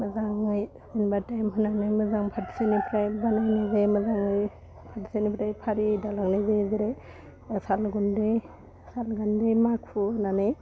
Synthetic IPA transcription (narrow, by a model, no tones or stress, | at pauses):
məzaŋɯj | inbatajmɦɯnanɯjmɯzaŋpʰati̥senipʰɾajbanajnazejmɯzaŋɯj | pʰati̥senipʰɾajpʰaɾidalaŋnajzeziɾe | salɡundej | salɡandejmakʰpʰuhnanɯj